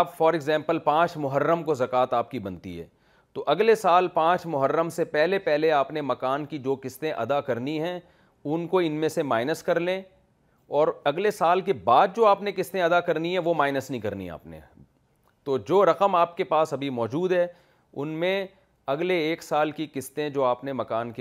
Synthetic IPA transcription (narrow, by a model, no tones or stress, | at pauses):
pfɔːɾɪɡzɛ̃ːmpəlpãːt͡ʃmʊɦəɾːəmkozɐkaːt̪aːp̚kibɐ̃nt̪ḭɦɛ̰ː | t̪oʔɐɡlesaːlpãːt͡ʃmʊɦəɾːəmsepɛɦlepɛɦleaːpnemɐkaːnkid͡ʒoːkɪst̪ẽʔɐ̰d̪akɐɾniɦɛ̃ | ʊnkoɪnmẽsemaːɪnəskɐɾlẽ | ɔːɾɐɡlesaːlk̬ebaːd̪̚d͡ʒoːaːpnekɪst̪ẽɐd̪akɐɾniɦɛ̃ʋomaːɪnəsnɐɦĩkɐɾnḭa̰ːpnḛ | t̪oːd͡ʒoːɾɐqəmaːp̚kepaːsɐbʱimɔːd͡ʒuːd̪ɦɛ | ʊ̰nmẽ | ɐɡleːksaːlkikɪst̪ẽd͡ʒoːaːpnemɐkaːnke